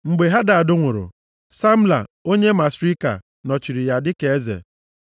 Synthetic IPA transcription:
ŋ͡m̩˨ɡ͡be˨ɦa˦da˨a˨dʊ˦ŋʷʊ˨ɾʊ̰˨ | sa˦m̩˦la̰˨o˦ɲe˦ma˨sɾi˦ka̰˨ | nɔ˨t͡ʃi˨ɾi˨ja˨dɪ˦ke˨e˦zḛ˨

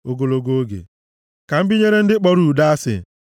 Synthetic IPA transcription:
o˨ɡo˨lo˨ɡo˦o˦ɡḛ˨ | ka˨m̩˦bi˦ɲe˦ɾe˦n̩˦dɪ˦k͡pɔ˦ɾu˨da˦a˦sɪ̰˨

